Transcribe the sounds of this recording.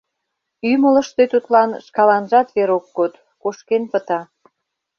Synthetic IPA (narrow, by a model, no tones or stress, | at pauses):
ymələ̆ʃt̪ot̪ut̪lɑnʃkɑlɑnʒɑt̪βeɾokːot̪ | koʃkenpə̆t̪ɑ